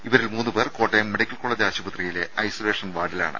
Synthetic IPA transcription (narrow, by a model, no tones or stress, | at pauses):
iʋɐɾilmuːnːɨpe̞ːrko̞ːʈːemːeɽikʲːɐlkoɭːɐd̪aːɕɐbɐt̪rijile̞ɐjsoleːʂɐnʋaːɽila̰ːɳɨ̰